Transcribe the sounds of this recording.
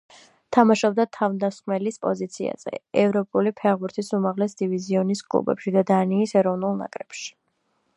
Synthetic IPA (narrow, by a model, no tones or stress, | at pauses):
t̪ʰamaʃɔb̚d̪at̪ʰavmd̪asχmɛlispʼɔzit̪sʰia̰z̥ɛ̰ɛvɾɔpʼulipʰɛʁbuɾt̪ʰisumaʁlɛsd̪iviziɔniskʼlṵbɛ̰pʃid̪ad̪aniːsɛɾɔvnulˠna̰kʼɾɛpʃi̥